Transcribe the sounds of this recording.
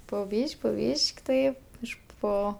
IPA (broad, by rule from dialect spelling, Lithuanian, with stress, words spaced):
poː ˈbʲiːʃʲkʲ poː ˈbʲiːʃʲkʲ tɐɪ ˈɪʃ ˈpoː